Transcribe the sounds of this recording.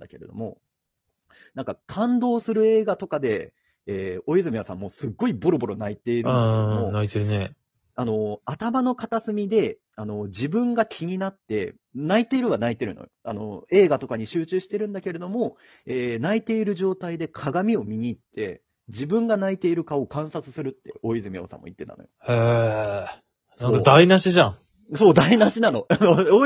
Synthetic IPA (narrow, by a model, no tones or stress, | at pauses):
d̪ake̞ɾe̞d̪o̞̰mo̞̰ | nãŋkakʰãnd̪o̞ːsɨɾɯ̟e̞ːɡat̪o̞kad̪e̞ | eːo̞izɨmʲiasã̰mːo̞ːsɨɡːo̞ibo̞ɾo̞bo̞ɾo̞nait̪e̞iɾɯonait̪eɾɯ̟ne | ano̞at̪amano̞kat̪asɨmʲid̪e̞ | ano̞d͡ʑibɯ̟̃ŋɡakʲʰiɲ̟inat̪ːe̞̰ | nait̪e̞iɾɯ̟βanait̪e̞ɾɯ̟̰̃no̰joa̰no̞̰e̞ːɡat̪o̞kaɲ̟iɕɨːt͡ɕɨːɕi̥t̪e̞ɾɯ̟̃nd̪ake̞ɾe̞d̪o̞mo̞ | eːnait̪e̞iɾɯ̟ʑo̞ːt̪aid̪e̞kʰaɡamʲio̞mʲiɲ̟iːt̪ʰːe̞̰ | d͡ʑibɯ̟̃ŋɡanait̪e̞iɾɯ̟kaokãɰ̃sat͡sɨ̥sɨɾɯ̟t̪ːe̞̰o̞izɨmʲio̰sã̰mːo̰ḭt̪ːet̪a̰nojo̰he | nãŋkad̪ainaɕiʑãŋ | so̞ːd̪ainaɕinano̞ano